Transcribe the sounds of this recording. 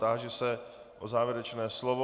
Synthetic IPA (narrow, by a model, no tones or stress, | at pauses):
t̪aʒɛsɛ | ʔozaːvjɛɾɛt͡ʃnɛːslovo